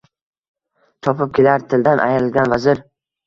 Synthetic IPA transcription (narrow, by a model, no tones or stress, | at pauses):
t̪ʰɒpɪp̚kʲʰelaɾt̪ʰɪld̪anʔa̰jɾɪlɡʲanvazɪɾ